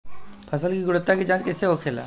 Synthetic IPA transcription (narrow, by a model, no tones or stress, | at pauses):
pʰəsəlkiɡʊɽʊt̪ːakid͡ʒãːt͡ʃkɪseokʰeːla̰ː